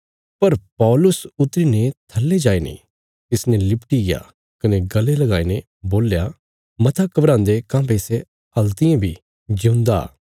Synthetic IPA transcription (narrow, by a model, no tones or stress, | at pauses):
pɐɾpɔːlʊsʊt̪ɾinet̪ʰɐlːed͡ʒaːinḭ̃ | t̪ɪsnɛ̃lɪpʈiɡɪja̰ | kɐneɡɐlːelɐɡaːinẽ | boːlja | mɐt̪ʰakɐbɾãːnd̪ekãːbese | ɐlt̪ɪjãbʱi | d͡ʒʊ̃nd̪a̰ː